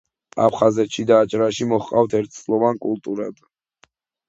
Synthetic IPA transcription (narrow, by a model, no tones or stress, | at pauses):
a̰pʰχazɛt̪ʃid̪aːt͡ʃʼɾaʃimɔχqʼaft̪ʰɛɾt̪̚ʰsʼlˠɔvankʼulˠt̪ʼuɾad̪̥